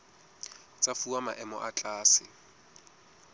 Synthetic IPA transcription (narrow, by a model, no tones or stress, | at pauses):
t͡sʼafuamaʔɛmɔ̰ʔat͡ɬʼaːsɪ